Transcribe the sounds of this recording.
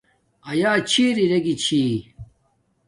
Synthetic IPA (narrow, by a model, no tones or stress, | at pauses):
ɐjaːt͡ɕʰiːɾiɾeɡit͡ɕʰiː